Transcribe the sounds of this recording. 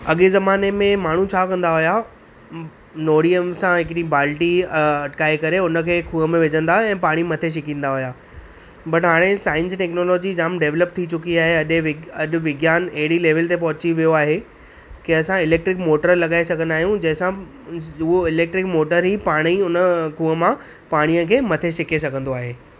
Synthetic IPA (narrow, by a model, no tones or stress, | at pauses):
ɐɠezɐmaːnemẽmaːɳ̤ũt͡ɕʰaːkɐ̃nd̪aɦʊja | noːɽiəmsãɦɪkɽibaːlʈiɐʈkaːekɐɾeʊnə̆kʰeːkʰuːəmẽʋɪd͡ʑə̃nd̪aːɛ̃ːpaːɽ̃imɐt̪ʰeʃ̬ɪkĩːn̆d̪aɦʊjaː | bɐʈɦaːɽ̃esaːɪ̃nsʈɛːknoːlɔːd͡ʑid͡ʑaːmɖeːʋləp̚t̪ʰit͡ɕʊkiaːɦeɐɗʋɪɐɗʋɪɡjaːnɐɦɪɽileːʋəlt̪epɐɦʊt͡ɕiʋijoaːɦe | kiɐsãɪleːk̚ʈɾɪkmoːʈəɾlɐɠaːesɐɡʱə̃nd̪aːɦijũd͡ʑɐ̃ɦɪ̃sã | ʊɦoɪleːk̚ʈɾɪkmoːʈəɾɦipaːɽ̃iʊnəkʰuːɦəmã | paːɽ̃ijəkʰeːmɐt̪ʰeʃɪkesɐɡʱə̃nd̪oaːɦeː